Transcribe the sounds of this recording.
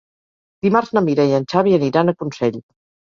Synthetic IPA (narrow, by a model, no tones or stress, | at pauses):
d̪imaɾznəmiɾɛjənʲt͡ʃaβiəniɾanəkunsɛʎ